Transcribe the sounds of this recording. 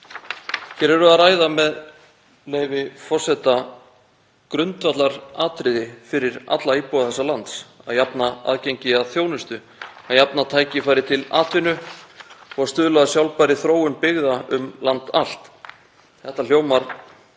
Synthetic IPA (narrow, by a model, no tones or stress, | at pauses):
çɛɾɛɾʏaðraːjðamɛð | leːjvɪfɔr̥sɛt̪a | kɾʏnt̪vat̪laɾaːt̪ɾɪðɪfɪɾɪɾa̰t̪laipɔwaðθɛsːalant̪sa̰ðjapnaa̰ðceɲcɪaðθjoːwnʏst̪ʏ | aðjapnat̪ʰaːjcɪfaːjɾɪt̪ʰɪla̰ːt̪vɪnʏ | ɔɣaðst̪ʏðlaðasjawlpaɾɪθɾoːwʏnpɪɣðaʏmlant̪a̰l̥t̪ | θɛht̪al̥joːwmaɾ̥